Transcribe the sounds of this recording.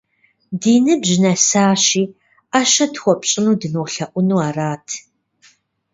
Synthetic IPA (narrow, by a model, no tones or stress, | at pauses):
diːnɨbʑɪnɐsaːɕiː | aʃɐtxʷɔpʼɕʼɪnuːdɨnuɬɐʔʷʊnuːaːraːtʰ